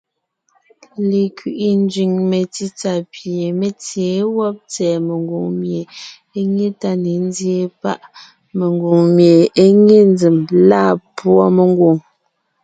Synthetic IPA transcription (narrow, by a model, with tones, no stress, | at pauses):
le˨kɥi˨ʔi˨n˦d͡ʒɥi˨ŋme˨ti˦t͡sa˨pje˨me˦t͡sje˨˦wɔ˦p̚t͡sɛː˨me˨ŋɡo˨ŋmje˨ | e˦ŋe˦ta˦ne˨n˦dje˦pa̰˦ʔ | me˨ŋɡo˨ŋmje˨e˦ŋe˦n˦d͡ze˨mlaː˦˨pwɔ˦me˨ŋ˦ɡwo˨ŋ